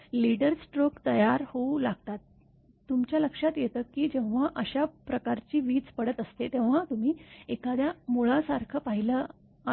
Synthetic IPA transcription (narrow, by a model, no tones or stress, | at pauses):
liɖəɾsʈɾokt̪əjaɾhoulaɡt̪at̪ː | umt͡ɕjaləkʂat̪jet̪əːkːiːd͡ʑẽʋ̤aʔəɕapɾəkaɾt͡ɕiːʋiːt͡spəɽət̪əst̪et̪ẽʋ̤at̪um̤iːekad̪jamuɭasaɾkʰəpaɦilə | a